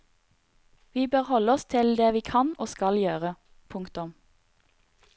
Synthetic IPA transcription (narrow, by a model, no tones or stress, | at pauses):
ʋiːbøːʁhɔləɔst̪ʰɪld̪eːʋiːkʰɑnoːskɑljøːʁə | pʰʊŋkt̪ʊm